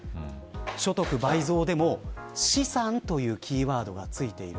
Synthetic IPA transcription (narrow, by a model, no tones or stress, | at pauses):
ɕo̞t̪o̞kɯ̟baizo̞ːd̪e̞mo̞ɕisãnt̪o̞jɯ̟ːkʲʰiːβaːd̪o̞ɡat͡sɨit̪e̞iɾɯ